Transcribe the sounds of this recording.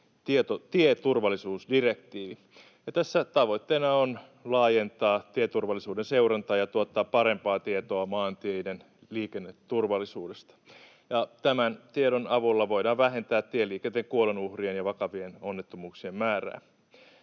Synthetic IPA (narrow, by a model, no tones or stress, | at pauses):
t̪iet̪ot̪iet̪urʋɑlːisuːsdirekt̪iːʋi | jɑt̪æsːæt̪ɑʋo̞jt̪ːeːnɑon | lɑːjent̪ɑːt̪iet̪urʋɑlːˑisuːdenseurɑnt̪ɑːjɑt̪uɑt̪ːɑːppːɑɾe̞mpɑːt̪iet̪oɑmɑːnt̪iejden | liːkenːet̪ːurʋɑlːisuːdest̪ɑ̥ | jɑt̪æmænt̪ieɾonɑʋulːɑʋo̞idɑːʋʋæɦe̞nt̪æːt̪t̪ielːiːkent̪ːeŋkuolenuhrienjɑʋɑkɑʋienonːet̪ːomuːksiemmæːræ̰ː